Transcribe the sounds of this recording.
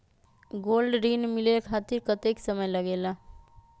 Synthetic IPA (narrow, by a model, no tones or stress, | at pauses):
ɡoːlɖɾiːnmilelkʰat̪iɾkət̪eksəməjləɡeːla